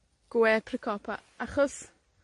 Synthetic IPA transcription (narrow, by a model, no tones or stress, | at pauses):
ɡ̥wɛpʰrɪkʰɔpʰa | aχɔs